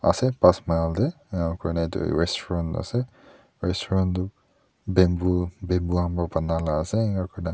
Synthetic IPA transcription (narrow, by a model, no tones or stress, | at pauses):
a̰sɛpasmajldɛ | akʰɔɹnatṵɹɛstʰɔɹɔ̃nta̰sɛ | ɹɛstʰɔɹɔ̃ntu | bembubembuambapanalaːsɛŋakɔɹna